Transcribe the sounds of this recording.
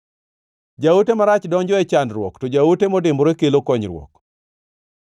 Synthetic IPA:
d͡ʒautemaɾat͡ʃdɔɲd͡ʒɔɛt͡ʃandɾwɔ̰ktɔd͡ʒautemɔdɪmbɾekelokɔɲɾwɔ̰k

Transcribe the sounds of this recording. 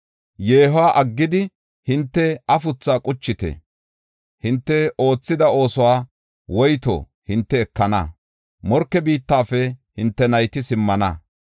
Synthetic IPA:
jeːɦwaːʔɐɡːɪd̪ɪ | hɪnt̪ːɛɐfʊt͡sːaːkʼʊt͡ʃːɪt̪ɛ̰ | hɪnt̪ːɛo̞ːt͡sːɪd̪ɐo̞ːsɔwaː | wɔjt̪o̰ː | hɪnt̪ːɛːkːɐnɐ̰ | mɔɾkːɛbiːt̪ːaːfɛhɪnt̪ːɛnɐjt̪ɪsɪmːɐnɐ

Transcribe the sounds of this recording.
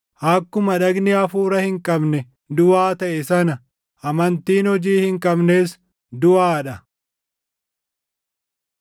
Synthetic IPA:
ʔɐkːʊmɐᶑɐɡnɪɐfuːɾɐhɪŋkʼɐbnɛ | d̪ʊaːt̪ɐʔɛsɐnɐ | ʔɐmɐnt̪iːnhɔd͡ʒiːhɪŋkʼɐbne̞ːs | d̪ʊʔaːᶑɐ

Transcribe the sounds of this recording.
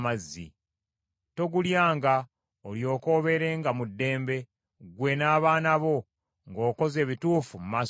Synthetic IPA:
mazːḭ | to̞ɡuljaːŋɡa | oljo̞ːko̞ːβe̞ɾe̞ːŋɡamudːe̞ːmbe̞ | ɡwe̞naːβaːnaβo̞ | ŋɡo̞ːko̞ze̞ːβituːfumuma

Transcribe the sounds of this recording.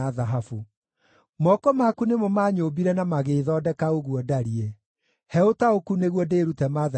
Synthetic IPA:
aðaɦafu | mɔkɔmakunemɔmaːɲobiɾɛnamaɣeːðɔdɛkaoɣuɔdaɾiɛ | hɛotaokuneɣwɔdeːɾutɛmaða

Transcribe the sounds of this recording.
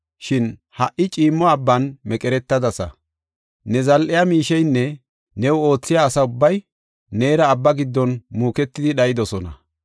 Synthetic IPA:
ʃɪnhɐʔɪt͡ʃʼiːmːɔɐbːɐnmɛkʼɛɾɛt̪ːɐd̪ɐsɐ̰ | nɛzɐlʔɪjamiːʃɛjnːɛ | nɛwo̞ːt͡sːɪjaːsɐʊbːɐj | ne̞ːɾɐːbːɐɡɪd̪ːɔnmuːkɛt̪ːɪd̪ɪɗɐjɪd̪ɔsɔnɐ̰

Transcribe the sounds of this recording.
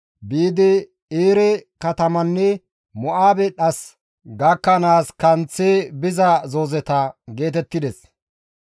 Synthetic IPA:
biːd̪ɪ | eːɾɛkɐt̪ɐmɐnːɛ | mɔʔaːbɛɗɐs | ɡɐkːɐnaːskɐnt͡sːeːbɪzɐzo̞ːzɛt̪ɐɡe̞ːt̪ɛt̪ːɪd̪ɛs

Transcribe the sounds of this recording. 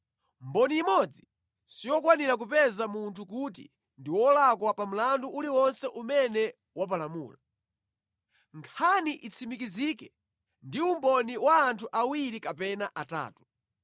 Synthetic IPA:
mbɔniːmɔd͡zi | sijɔkwaniɾak̬upɛzamuntʰuk̬ut̬ḭ | ndiwɔlakwapam̩landuʔuliwɔnsɛʔumɛnɛ | wap̬alamṵːla | ŋkʰaniʔit͡sʰimik̬izikɛ | ndiumbɔniwaːntʰuʔawiɾikapɛnaʔata̰ːtu̥

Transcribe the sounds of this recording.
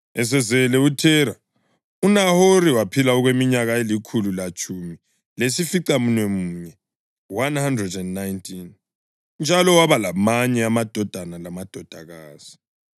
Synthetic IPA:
ɛs̬ɛzɛlɛutʰɛɾa | unahoɾiwapʰilaɔɣwemiɲaɣaelikʰululat͡ʃʰʼumi | lesifiǀamunwɛmuːɲɛ | wanhandrɛdɛndnajntʰin | nd͡ʒʱalɔwaβalamaɲɛamad̥ʱɔd̥ʱanalamad̥ʱɔd̥ʱaɣaːz̥i̥

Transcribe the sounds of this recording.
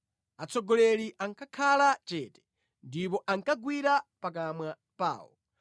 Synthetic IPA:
at͡sʰɔɡɔlɛɾiʔaŋkʰakʰalat͡ʃɛːtɛ̥ | ndip̬ɔʔaŋkaɡwiɾapak̬amwa | pa̰ːwɔ̰

